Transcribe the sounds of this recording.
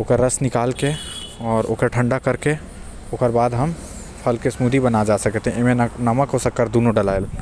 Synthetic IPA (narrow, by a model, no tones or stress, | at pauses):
oːkəɾɾəsnɪkaːlkeɔːɾo̰ːkəɾʈʰə̃ɳɖakəɾke | oːkəɾbaːd̪ɦɐm | pʰɐlkesmuːd̪ibənad͡ʒaːsəkt̪eɦɛ̃ɪmẽnəməkɦosəkːəɾd̪uːnoɖəlaːjl